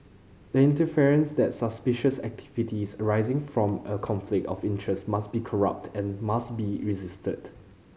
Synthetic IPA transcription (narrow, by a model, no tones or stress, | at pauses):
dəĩntəfiɹə̃nsdɛtsəspɪʃəsɛ̰k̚tʰi̥vitisəɹaɪzɪ̃ŋfɹɔ̃məkʰɔ̃nflɪk̚tɔfɪ̃ntʰɹɛstmasbikʰɔɹa̰p̚tʰɛ̃nmastbiɹizɪstʰəd